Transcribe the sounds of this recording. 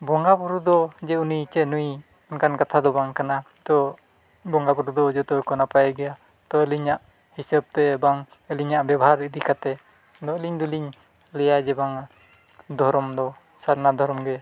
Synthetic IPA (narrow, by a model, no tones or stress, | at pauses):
bɔŋɡabuɾud̪ɔd͡ʒɛunit͡ʃɛnui | ɔnkankat̪ʰad̪ɔbaŋkana | t̪ɔ | bɔŋɡabuɾud̪ɔd͡ʒɛt̪ɔkɔnapajɡɛja | t̪ɔəliɲaʔ | hisəb̚t̪ɛbaŋ | əliɲaʔbɛbaɦaɾid̪ikat̪ɛ | d̪ɔəliɲd̪uliɲ | lɛjad͡ʒɛbaŋ | d̪ʱɔɾɔmd̪ɔ | saɾnad̪ʱɔɾɔmɡɛ